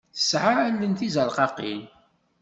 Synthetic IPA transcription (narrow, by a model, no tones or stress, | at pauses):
θə̥sʕalːənθizəlqɑqḭl